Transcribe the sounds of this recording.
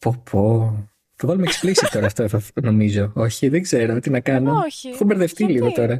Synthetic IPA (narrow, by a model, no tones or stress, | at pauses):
popʰo | θɐvɐlumeksflisist̪o̞ɾɐft̪oθɐno̞mizo̞o̞çiðeɡze̞ɾo̞t̪inɐkɐnoexumbeɾðe̞ft̪iliɣo̞t̪o̞ɾɐ